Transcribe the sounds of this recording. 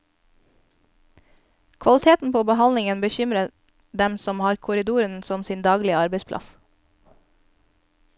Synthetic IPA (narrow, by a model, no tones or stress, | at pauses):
kʰʋɑlɪt̪ʰeːt̪n̩pʰoːbəhɑnlɪŋənbəçʏmɾə | d̪ɛmsɔmhɑːɾkʰʊɾɪd̪uːɾənsɔmsiːnd̪ɑːɡlɪəɑɾbəɪspʰlʔɑ̰s